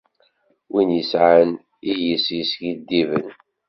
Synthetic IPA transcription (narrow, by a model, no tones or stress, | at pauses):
winjəsʕən | ijəsisɡid̪ːivə̰n